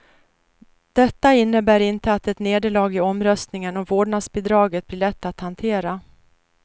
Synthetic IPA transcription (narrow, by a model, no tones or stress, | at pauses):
d̪̥ɛt̪ːaɪnːəbæːɾɪnt̪əat̪ɛt̪neːd̪əɭɑːɡɪɔmɾœst̪nɪŋənɔmvoːɖɳasbɪd̪ɾɑːɡət̪̚blɪːɭɛt̪ːat̪hant̪ʰeːɾa